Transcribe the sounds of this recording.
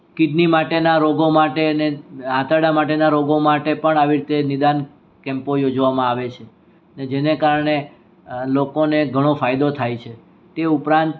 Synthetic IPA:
kid̪nimaʈenaɾoɡomaʈeneãt̪əɽamaʈ̬enaɾoɡomaʈepəɳaʋiɾit̪enid̪an | kɛ̃mpojod͡ʒʋamãaʋet͡ʃʰe | ned͡ʒenekaɾɳ̃e | lokoneɡʱəɽ̃ofajd̪ot̪ʰajt͡ʃʰe | t̪eupɾãnt̪

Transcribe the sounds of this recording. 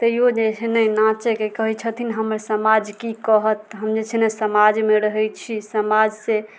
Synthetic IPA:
t̪əijod͡ʒet͡ʃʰenəjnãt͡ʃekekəɦɛt͡ʃʰət̪ʰinɦəməɾsəmad͡ʒkikəɦət̪ɦəmd͡ʒet͡ʃʰenesəmad͡ʒmeɾəɦəjt͡ʃʰisəmad͡ʒse

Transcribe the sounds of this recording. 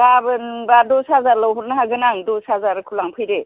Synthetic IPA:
ɡabɯnbadosazalɔwɦuɾnaɦaɡɯnaŋdosazaɾɯkʰulaŋpʰɯjɾe

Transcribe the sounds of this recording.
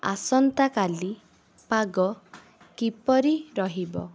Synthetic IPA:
a̰sɔnt̪akali | paɡɔ | kipɔɾiɾɔɦibɔ̰

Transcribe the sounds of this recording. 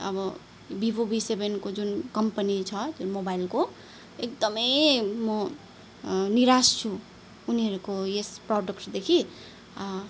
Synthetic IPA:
ʌ̰bʌ | bibobisebenkod͡zunkʌmpənit͡sʰʌd͡zunmobailko | ek̚d̪ʌmʌjmʌ | niɾast͡sʰu | uniɦʌɾukoesprɔɖʌkʈd̪ekʰi

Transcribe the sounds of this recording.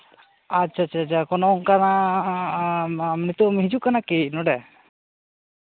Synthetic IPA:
at͡ʃʰaːt͡ʃʰaːt͡ʃʰakɔnɔŋkana | mnit̪umiɦid͡ʒukanakinɔɖɛ

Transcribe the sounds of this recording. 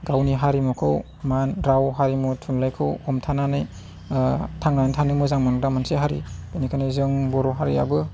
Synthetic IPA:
ɡawniɦaɾimukʰɯw | manɾawɦaɾimutʰunlajkʰɯwɔmtʰananɯj | tʰaŋnajntʰanɯmuzaŋmankdamanseɦaɾḭbɯnikʰanazɯŋbɔɾɔɦaɾia̰bɯ

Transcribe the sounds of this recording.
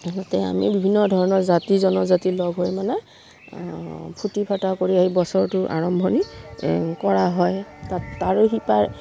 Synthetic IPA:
ɡɔtɛa̰mḭbibʱinːɔdʱɔɹɔnɔɹzatizɔnɔzatilɔɡʱɦojmanɛ | pʰutipʰatakoɹiaɦibɔsɔɹtʊʔa̰ɹɔmbʱɔni | kɔɹaɦɔjtataɹoɦipaj

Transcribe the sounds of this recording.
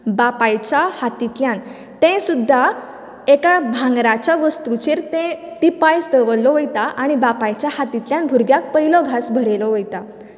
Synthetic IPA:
bapajt͡ɕahat̪it̪ljãn | t̪ẽsud̪ʱːa | ekabʱãŋɡɾat͡ɕjaʋəst̪ut͡ɕeɾt̪ẽt̪ipajst̪əʋəlːɔʋəjt̪aʔaɽ̃ibapajt͡ɕjahat̪it̪ljãnbʱuɾɡjak̚pəilɔɡʱasbʱəɾelɔʋəjt̪a

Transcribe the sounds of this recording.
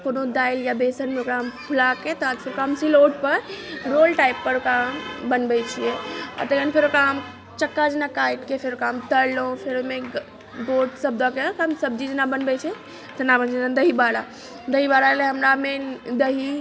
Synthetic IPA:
punõd̪aːiljabesənmeokɾampʰulaket̪əfʰeɾokamsiloːʈ̚pəɾɾoːlʈaɪpːəɾokambənbɛt͡ʃʰieɔ̰t̪əənpʰeɾokɾam | t͡ʃəkːad͡ʒnakaːɪʈkepʰeɾokaːmt̪əɾlõpʰeɾomẽ | boːʈsəb̚d̪ɔkekamsəb̚d͡ʒid͡ʒnabənbɛt͡ʃʰɛ | t̪ənabənd͡ʒet̪əd̪əɦibaɽa | d̪əɦibaɽaleɦəmɾamed̪əɦi

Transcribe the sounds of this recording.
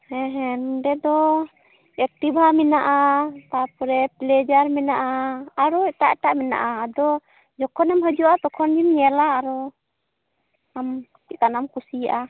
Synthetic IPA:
hɛɦɛnɖɛd̪ɔ | ɛk̚ʈibɦamɛnaʔat̪apɾɛplɛd͡ʒaɾmɛnaʔaːɾɔɛʈaʔɛʈaʔmɛna̰ʔaːd̪ɔ | d͡ʒɔkʰɔnamɦəd͡ʒuat̪ɔkʰɔnd͡ʒimɲɛlaːɾɔ | amt̪ikanamkusiaʔa

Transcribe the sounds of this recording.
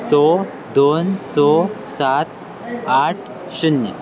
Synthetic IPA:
sɔ | d̪onsɔsat̪ | aʈʰ | ɕunjə

